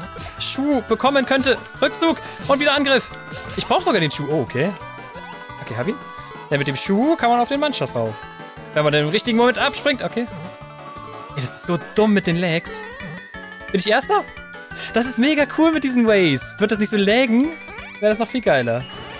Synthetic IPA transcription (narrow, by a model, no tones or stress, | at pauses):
ʃuːb̥əkʰɔmənkʰœntə | ʁʏk̚t͡suːk | ʔʊntviːdɐʔanɡʁɪf | ʔɪçb̥ʁaʊxəz̥oːɡaːdeːnʃuːʔoːʔokʰeː | ʔokʰeːhaːbiːn | d̥ɛnmɪt̚d̥eːmʃuːkʰaːnmanaʊfd̥eːnmanʃasʁaʊf | vɛnmandɛnɪmʁɪçtɪɡŋ̩momɛntʔapʃpʁ̥ɪŋtʔokʰeː | edasɪ̥stz̥oːd̥ʊmːɪt̚d̥eːnlɛks | b̥ɪnɪçʔeːɐstɐ | d̥as̬ɪstmeːɡakʰuːlmɪt̚d̥iːzn̩wɛɪsv̥ɪɐtd̥as̬nɪçtz̥oːlɛːɡŋ̩ | vɛːʁdasnɔχfiːlɡaɪlɐ